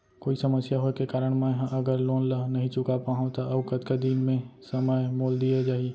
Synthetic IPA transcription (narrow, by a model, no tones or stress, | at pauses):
koːisɐməsjaɦoːkekaːɾəɽ̃mẽɦãʔɐɡəɾloːnlənɐɦĩt͡ʃʊkapaːɦõt̪aɐbkɐt̪kad̪iːnmẽsɐməjmoːld̪ijad͡ʒaːɦie